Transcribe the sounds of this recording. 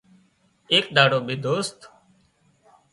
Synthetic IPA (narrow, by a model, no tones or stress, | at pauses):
eːkd̪aːɽoːbʱiːd̪oːst̪